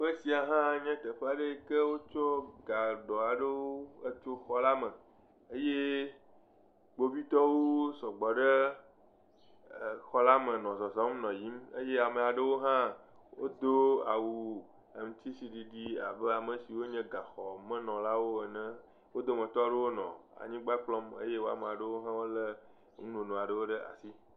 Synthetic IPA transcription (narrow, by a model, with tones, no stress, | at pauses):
ɸe˦si˨a˨ɦã˦ɲɛ̃˦t̪ə˨ɸe˦a˨ɖe˦kə˦wo˦t͡ʃo˦ɡa˨ɖɔ˨a˨ɖə˦wo˦ə˦t͡ʃo˦xɔ˦la˦mə̃˨ | ə˦je˦ | ɡ͡bo˦bi˦t̪ɔ˦wo˦sɔ˨ɡ͡bɔ˨ɖə˦˨ | xɔ˦la˦mə̃˨nɔ̃˨zɔ˨zɔ̃˨˦m˦nɔ̃˨ji˦mə˦je˦a˨mə˨a˨ɖə˦wo˦ɦã˦ | wo˦d̪o˦a˨wu˨ | e˨m̩˨t̪i˦si˦ɖi˨ɖi˦a˨bə˦a˨mə̃˨si˨wo˦ɲɛ̃˦ɡa˨xɔ˨mə̃˦nɔ̃˨la˦wo˦e˨nɛ̃˦ | wo˦d̪o˦mə̃˨t̪ɔ˦ɖə˦wo˦nɔ̰̃˨a̰˨ɲĩ˦ɡ͡ba˦k͡plɔ˦mə̰˦je˦wo˦a̰˨me˨a˨ɖə˦wo˦ɦã˦wo˦lə˦ | ŋũ˦nõ˨nũ˨a˨ɖə˦wo˦ɖə˦ʔa̰˨si˦